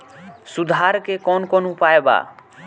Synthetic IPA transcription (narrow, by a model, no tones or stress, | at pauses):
sud̪ʱaɾkekɔnkɔnuupaeba̰